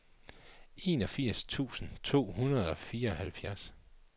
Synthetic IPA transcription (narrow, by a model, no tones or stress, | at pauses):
e̝ːnɒ̽fiɐ̰st͡sʰṵːsn̩t͡sʰo̝̰ːhunɐð̞̩ˠɒ̽fiːɐɒ̽hælfjæɐs